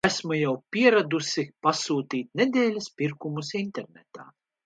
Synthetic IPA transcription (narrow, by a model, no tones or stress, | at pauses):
æsmujawpʲiɛɾad̪usipasuːt̪iːt̪ʲnʲed̪ʲeːlʲɐspiɾkumusint̪ɛɾnʲɛt̪a̰ː